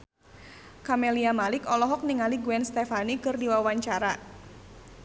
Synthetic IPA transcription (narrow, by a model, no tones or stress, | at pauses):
kameliamalɪkɔlɔɦɔk̚niŋaliɡuɛnst̪ɛfanikɨrdiwawaɲt͡ʃaɾa